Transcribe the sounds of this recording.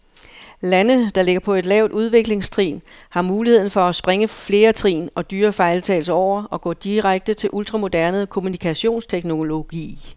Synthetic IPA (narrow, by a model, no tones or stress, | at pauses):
lænəd̥ɑ̈le̝ɡ̥ɐpʰɒ̽e̝d̥lɛʊd̥uð̞ˠʋe̝ɡ̥le̝ŋst͡sʰʁḭːn | hɑ̈muːlihe̝ð̰ˠn̩fɒ̽æsb̥ʁeŋəfle̝ːɐt͡sʰʁḭːnɒ̽d̥yːɐfɑ̈ɪlt͡sʰɛ̰lsɒʊ̰ɐɒ̽ɡ̥ɔ̰ːd̥iʁaɡ̥̚d̥ət͡sʰe̝lʔult͡sʁɑ̈mo̝d̥æɐnð̩ˠkʰo̝munikʰæɕo̝̰ːnst͡sʰeɡ̥no̝lo̝ɡ̥ḭː